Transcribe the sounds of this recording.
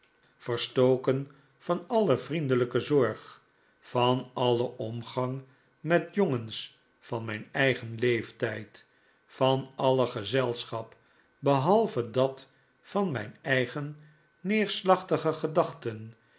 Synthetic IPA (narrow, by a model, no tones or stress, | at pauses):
fərstowkən | fɑnɑləvrindələkəzɔɹχ | fɑnɑləʔɔmχɑŋ | mɛtjoŋəns | fɑnmɛjnɛjχənlejftɛjt | fɑnɑləχəzɛlˠsχɑp | bəɦɑlˠvədɑt | fɑnmɛjnɛjχənː | ɪːɹslɑχtəχəχədɑχtən